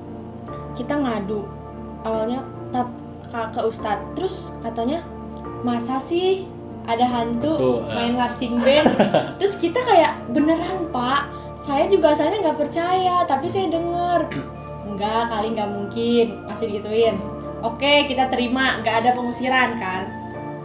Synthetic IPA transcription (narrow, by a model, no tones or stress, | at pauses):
kit̪aŋaduʔ | ʔawalɲa | t̪ap̚ | kakəust̪at̪ːəɾʊs | kat̪aɲa | masasɪh | ʔadaɦant̪umaɪnlarsɪŋbɛnt̪ɾʊskit̪akajaʔbənəranpaʔ | sajad͡ʒuɡaːsalɲaŋɡapərt͡ʃajat̪apisajadəŋər | ŋɡaʔkaliŋɡaʔmuŋkɪnmasɪdiɡit̪uɪn | okekit̪at̪əɾimaŋɡaʔːdapəŋusiɾankan